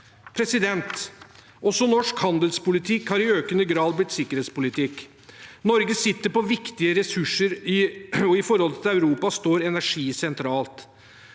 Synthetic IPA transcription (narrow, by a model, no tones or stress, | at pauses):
pʰɾɛsɪd̪ɛnt̪ | ʔɔsɔnɔʂkhɑnd̪əlspʊlɪt̪ʰɪkhɑːɾɪøːkənəɡɾɑːd̪̚blɪt̪sɪkːəɾeːt̪spʊlɪt̪ʰɪkː | nɔɾɡəsɪt̪ːəɾpɔʋɪkt̪ɪəɾɛsʉʂːəɾɪɔɪfɔɾhɔlət̪ʰɪlæʉɾuːpɑst̪oːɾɛnæʂiːsɛnt̪ʰɾɑːlt̪